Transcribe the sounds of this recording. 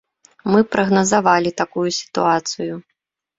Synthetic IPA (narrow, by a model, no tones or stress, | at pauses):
mɨpɾɐɣnɐzavalʲit̪akujusʲi̥t̪uat̪sɨju